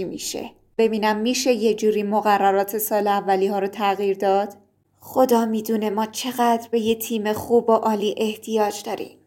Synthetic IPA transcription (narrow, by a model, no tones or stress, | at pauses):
imḭːʃḛ | b̥e̞biːnæmːiːʃe̞jed͡ʒuːɾiːmoɣærːæɾɒːt̪ʰe̞sɒːleævːæliːhɒːɾoːt̪ʰæɣiːɾd̪ɒːd̪̥ | xo̞d̪ɒːmiːd̪uːne̞mɒːt͡ʃʰe̞ɣæd̪ɾbe̞jet̪ʰiːme̞xuːboʔɒːliːʔe̞ht̪ʰijɒːd͡ʒd̪ɒːɾḭːm